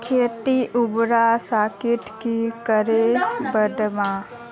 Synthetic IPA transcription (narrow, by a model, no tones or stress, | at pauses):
kʰeːʈiʔʊbɾasaːkɪʈkikəɾebədmãː